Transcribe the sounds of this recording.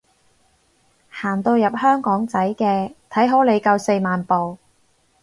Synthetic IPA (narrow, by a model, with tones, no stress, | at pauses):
haː˨˩nt̪o˧wjɐ˨p̚hœː˥ŋkɔː˨˥ŋt͡sɐ˨˥jkɛː˧t̪ʰɐ˨˥jɦo˨˥wle˨˧jkɐ˧wse˧jmaː˨npo˨w